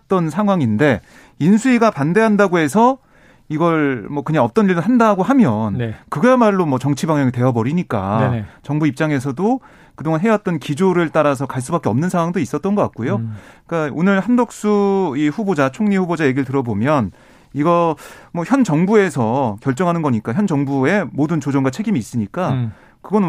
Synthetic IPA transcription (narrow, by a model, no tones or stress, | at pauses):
t͈ʌnsʰaŋɦwaŋinde̞ | insʰuiɡapande̞ɦandaɡoɦe̞sʰʌ | iɡʌɭmʌkɯɲaŋʌp̚t͈ʌniɭdoɦandaɡoɦamjʌnkɯɡemaɭːomwʌt͡ɕʌŋt͡ɕʰibaŋjʌŋite̞ʌbʌɾiɲik͈a̰t͡ɕʌŋbuip̚t͡ɕ͈aŋe̞s̬ʰʌdo | kɯdoŋanɦe̞jʌt̚t͈ʌnkid͡ʑoɾɯɭt͈aɾas̬ʰʌkaɭs̬͈ubak͈eʌmnɯnsʰaŋwaŋdois͈ʌt̚t͈ʌnɡʌk͈a̰t̚k͈ojok͈aonɯɭhandok̚s͈uiɸubod͡ʑat͡ɕʰoŋɲiɸubod͡ʑaje̞ɡiɾɯɭtɯɾʌbomjʌn | iɡʌmwʌçjʌnt͡ɕʌŋbue̞sʰʌkjʌɭt͡ɕ͈ʌŋɦanɯnɡʌɲik͈açjʌnd͡ʑʌŋbue̞modɯnt͡ɕod͡ʑoŋɡwat͡ɕʰe̞ɡimiːs͈ɯɲik͈a | kɯɡʌn